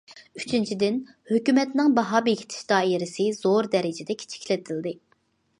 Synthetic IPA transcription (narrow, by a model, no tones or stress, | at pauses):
y̥t͡ʃʰynt͡ʃʰid̪ɪn | høkʲymɛt̪nɪŋbɑɦɑːbeɡʲʰi̥t̪ʰɪ̥ʃd̪̥ɑːiɾɪsɪz̥oɾd̪ɛɾɪd͡ʒɛd̪ɛkʲʰi̥t͡ʃʰi̥kʰʲlɪt̪ʰɪld̪ɨ